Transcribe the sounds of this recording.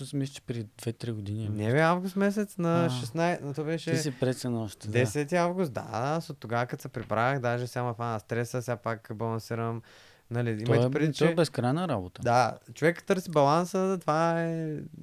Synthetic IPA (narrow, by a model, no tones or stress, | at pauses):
t̪ɔsimislʲit͡ʃɛ̥pɾid̪vɛt̪ɾiɡod̪ininɛvɛavɡʊst̪mɛs̬ɛt̪snɐʃɛsnajsnɐt̪ɔbɛʃɛsipɾɛt̪sɛnɔʃt̪d̪ɛsɛt̪iavɡʊst̪̚d̪a̰asot̪ːoɡavəkət̪sɛpɾibɾaxd̪aʒɛsjamɐfanɐst̪ɾɛsəsʲapakbɐlˠɐnsiɾəm | nɐliimɐjt̪pɾɛd̪it͡ʃ̪ɔɛɛbɛskɾajnəɾabot̪əd̪at͡ʃovɛkt̪ːɤɾsibɐlˠansət̪vaɛ